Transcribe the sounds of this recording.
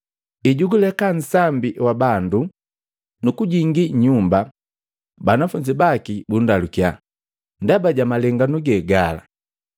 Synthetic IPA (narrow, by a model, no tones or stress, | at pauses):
iɟuɡulɛkan̩sambiwabandu | nukuɟiŋɡiɲumba | banafuɲd͡ʒibakibundalukja̰ | ndabaɟamalɛŋɡanuɡɛɡala̰